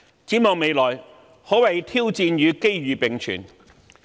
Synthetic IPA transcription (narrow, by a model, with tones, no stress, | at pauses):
t͡siː˨˥mɔː˨˩ŋme˨˧jlɔː˨˩j | hɔ˨˥wɐ˨˩jt̪ʰiː˥wt͡siː˧njyː˨˧ke˥jɥyː˨˧pɪ˨ŋt͡ʃʰy̰ː˨˩n